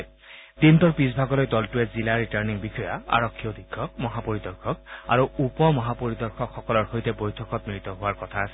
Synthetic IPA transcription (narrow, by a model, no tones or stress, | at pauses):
d̪intɔɹpisbʱaɡɔlojdɔltuɛzilaɹitaɹniŋbixʰɔja̰a̰ɹɔkʰːijɔd̪ikʰːɔk̚mɔɦapoɹid̪ɔɹkʰɔk̚a̰ɹuupɔmɔɦapoɹid̪ɔɹkʰɔkxɔkɔlɔɹxojtɛbojtʰɔkɔt̪̚mɹit̪ɔɦʊwaɹkɔtʰaːsɛ